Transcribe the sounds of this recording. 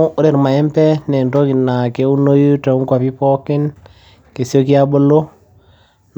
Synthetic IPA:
u˦ʔo˦ɾe˨ɾma˨ɛ˦mpɛ˦nɛ˨nto˦ki˨na˨ke˦u˦no˦ju˦tɛ˨u˦ŋkwa˨pi˦pɔ˦kɪ˦n | ke˨sjo˦ki˦a˦bo˦lo˦ | n

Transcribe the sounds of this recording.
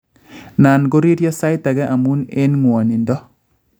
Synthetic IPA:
na˨nɡo˦ɾi˦ɾjɔ˦sa˦ɪ˦ta˨ɡɛ˦ʔa˨mu˦ne˦nŋwɔ˨ni˨ndɔ˦

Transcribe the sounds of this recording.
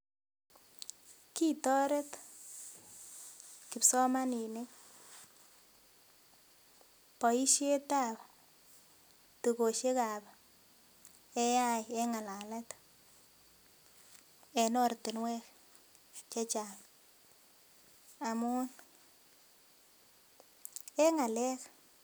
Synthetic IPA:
ki˦tɔ˦ɾe˦t | ki˨psɔ˦ma˦ni˨ne˦ | pɔ˨i˦ʃje˦ta˦˨pa | tu˨ko˨ʃe˦ka˨ba | ɛ˦ja˦jɛ˦ŋa˨la˨lɛ˦t | ɛ˨nɔ˦ɾti˨nwɛ˦k | t͡ʃɛ˦t͡ʃam | a˨mʊ˦n | ɛ˦ŋa˨lɛ˦k

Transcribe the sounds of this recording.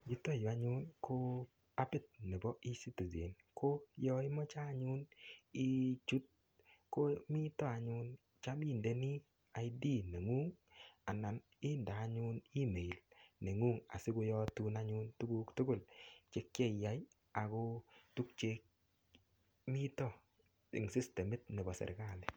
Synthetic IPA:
d͡ʒi˦to˦˨jo˨a˨ɲʊ˦nkʰo˦ | a˦pɪ˦˨t̪̚ne˨bɔ˦i˦si˦ti˨zḛ˨n | kʰo˦jɔ˦ɪ˦mɔ˦t͡ʃaː˦ɲʊ˦ni˦t͡ʃu˦t̚ | ko˦mi˦tɔ˦a˨ɲʊ˦n | t͡ʃa˦mi˦˨nde˦ni˦ | a˨ɪ˦di˦˨ne˨ŋu˦ŋa˨na˨n | ɪ˦ndaː˨ɲʊ˦ni˦me˨i˨lne˨ŋu˦ŋa̰˨sɪ˦ko˧jɔ˦tu˧na˦ɲʊ˦ntu˦ɡu˦ktʊ˦ɡʊ˦˨lt͡ʃe˦k̚t͡ʃe˦˨ja˨˦j | a˨ko˧tu˦k̚t͡ʃe˧k̚ | mi˦tɔ˦ | ɪ̰˨ŋsi˦ste˨mɪ˦tne˨bɔ˨sɛ̰˨ɾka˦˨lɪ˨

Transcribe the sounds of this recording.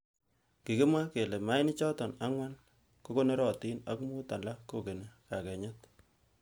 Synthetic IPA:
ki˨kɪ˦ma˦ke˨le˨ma˦jnɪ˦t͡ʃɔ˦tɔ˨na˦ŋwa˦n | ko˦ko˦ne˦ɾɔ˨ti˦nɐ˦kmu˦ta˨la˦ko˨ke˨ne˨ka˨kɛ˨ɲɛ˦t

